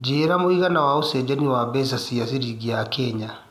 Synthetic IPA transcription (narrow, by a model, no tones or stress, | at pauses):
d͡ʒeːɾamoiɣanawaosɛd͡ʒaniwabɛs̬asias̬iɾiɡiakʰɛɲa